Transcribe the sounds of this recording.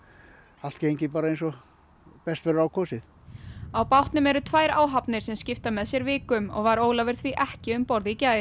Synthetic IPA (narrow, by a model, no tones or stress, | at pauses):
al̥t̪̚cejɲcɪpaːɾaejnsɔ | pɛst̪vɛɾɾaːwkʰɔːsɪθ | awpawht̪nʏmɛɾʏt̪ʰvaːjɾa̰ːwɦapnɪɾ̥sɛmscɪft̪amɛðsjɛɾvɪːkʏmɔ̰ɣvaɾoːwlavɪɾ̥θviʔɛhcɪʏmpɔɾðɪicaːɪ